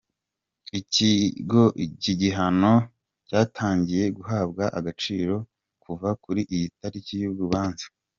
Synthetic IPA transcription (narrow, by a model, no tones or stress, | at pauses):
iciɡo̞ciɟiɦano̞ | caːtʰaːɲɟije̞ɡuɦaːb̚ɡaʔaɡat͡ʃiːɾo̞ | kuvakuɾiʔijitaɾicijubɡuβaːnzḁ